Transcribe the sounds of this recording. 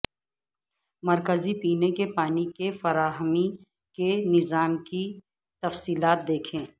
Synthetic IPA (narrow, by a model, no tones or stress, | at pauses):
mɐɾkəzipiːnekepaːnikefɐɾaːɦəmi | kenɪzaːmki | t̪ɐfsiːlaːt̪̚d̪eːkʰẽː